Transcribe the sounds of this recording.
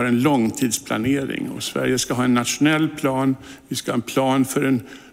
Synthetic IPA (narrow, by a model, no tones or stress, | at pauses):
ɾɛnlɔŋːt̪ʰiːd̪spʰla̰neːɾɪ̰ŋɔ̰svæ̰ɾjəskaɦɑːɛnːat̪ʂʊnɛlːpʰlɑːnvɪskahɑːɛnpʰlɑːnfœɾɛn